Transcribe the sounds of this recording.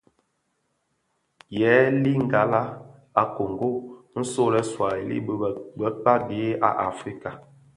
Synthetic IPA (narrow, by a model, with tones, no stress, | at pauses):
jɛː˨˦li˦ŋ˨ɡa˨la˦ | a˨ko˨ŋ˨ɡo˦˨n̩˦so˦lɛ˦swa˨i˨lḭ˦bə˦˨ɡ͡bə˦k͡pa˦de˨˦a̰˨ʔa˨fɾi˦ka˨